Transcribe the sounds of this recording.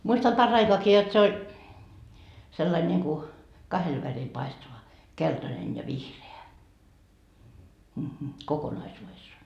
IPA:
muistɑm pɑrːɑikoɑki jot se olʲ selːɑil nʲiŋku kɑhel ʋæril pɑistɑʋɑ keltɑnen jɑ ʋihreæ kokonɑisuːʋesːɑː

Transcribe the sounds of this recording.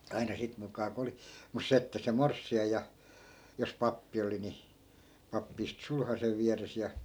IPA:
ɑinɑ sit mukˑɑː ko oli mus se etːæ se morsːiɑj jɑ jos pɑpːi oli ni pɑpːi istŭ sulhɑseʋ̆ ʋiæres jɑ

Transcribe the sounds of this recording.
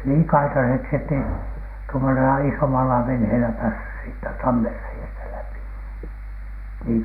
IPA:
niːn kɑitɑseksi etːei tuomoselɑ isomɑlɑ ʋenheːlæ pæːsːys siːtːæ tɑmːerːeiæstæ læpi niːŋ

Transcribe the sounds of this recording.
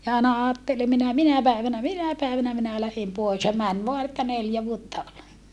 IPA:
jɑ ɑˑenɑ ɑːtːele minæ minæ pæiʋænæ minæ pæiʋænæ minæ læhem poes jɑ mæn ʋoɑ etːæ neljæ ʋuotːɑ ol

